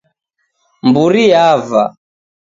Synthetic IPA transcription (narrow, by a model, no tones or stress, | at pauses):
mbuɾiava̰